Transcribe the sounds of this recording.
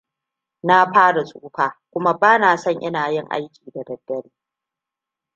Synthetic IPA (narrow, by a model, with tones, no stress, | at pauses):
na˦ɸaː˦ɽa˨sʼuː˦ɸaː˨kʷʊ˦ma˦baː˦naː˨sɐ˦˨ŋʔɪ̰˦naː˨jɪ˦˨ŋʔa̰˦jkʲiː˨da˨dɐ˨dːɐ˦ɽiː˦